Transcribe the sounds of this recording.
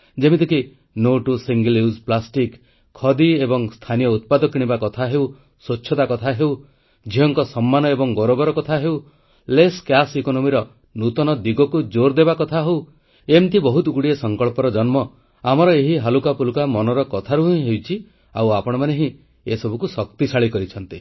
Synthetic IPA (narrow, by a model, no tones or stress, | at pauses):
d͡ʒemit̪iki | noʈusiŋɡljusplasʈikʰː | ɔd̪iebɔŋst̪ʰanijɔut̪̚pad̪ɔkiɽ̃ibakɔt̪ʰaɦew | sot͡ʃːʰɔt̪akɔt̪ʰaɦew | d͡ʒʱiɦɔŋkɔsɔmːanɔebɔŋɡɔɾobɔɾɔkɔt̪ʰaɦew | leskjasikonomiɾɔ | nut̪ɔnɔd̪iɡɔkud͡ʒoɾd̪ebakɔt̪ʰaɦew | emt̪ʰibɔɦut̪uɡuɽiesɔŋkɔɭpɔɾɔd͡ʒɔnmɔ | amɔɾɔeɦiɦalukapulukamɔnɔɾɔkɔt̪ʰaɾuɦɦewt͡ʃʰi | a̰wapɔɽ̃ɔmaneɦĩ | esɔbʱukusɔk̚t̪isaɭikɔɾit͡ʃʰɔnt̪i